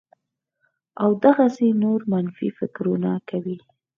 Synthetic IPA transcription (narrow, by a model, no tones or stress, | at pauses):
awd̪aɣasenoɾmanfḭfɪkɾunakawi